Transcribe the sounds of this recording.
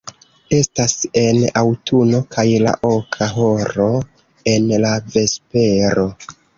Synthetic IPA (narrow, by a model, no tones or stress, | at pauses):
e̞stase̞nawtʰuno̞kʰajla̰ʔo̞kʰaɦo̞ɾo̞ | e̞nlave̞spe̞ɾo̞